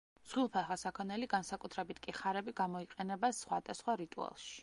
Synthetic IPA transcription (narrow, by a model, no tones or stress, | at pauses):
sχwilˠpʰɛχasakʰɔnɛliɡansakʼut̪ʰɾɛbit̪ʰkʼiχaɾɛbiɡamɔiqʼɛnɛbasχwa̰d̪asχwaɾit̪ʼua̰lˠʃi̥